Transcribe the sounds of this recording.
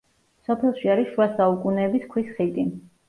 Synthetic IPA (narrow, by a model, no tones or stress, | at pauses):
sɔpʰɛlˠʃiaɾisʃuasaukʼunɛːbiskʰwisχit̪ʼi